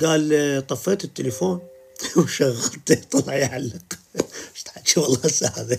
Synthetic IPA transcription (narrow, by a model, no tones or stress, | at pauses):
ɡaːlt̪ˤɑfːɪɾt̪ɪt̪ːɪlɪfoːn | wʃaɣːalt̪t̪ˤɑlʕjʕalːɪq | t̪ħat͡ʃiwɑlˤːɑːsaʕaði